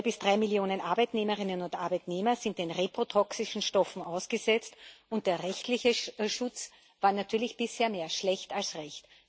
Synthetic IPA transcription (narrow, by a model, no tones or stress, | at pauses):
bɪsd̥ʁaɪmiljoːnənʔaɐbaɪtneːməʁɪnənʊntʔaɐbæɪtneːmɐzɪnt̚d̥eːnʁepʁ̥otʰɔksɪʃn̩ʃtɔfn̩ʔaʊsɡ̥əzɛt͡stʊnt̚d̥eːɐʁɛçtlɪçəʃʊt͡s | v̥aːɐnatʰyːɐlɪçb̥ɪsheːɐmeːɐʃlɛçtalsʁɛçt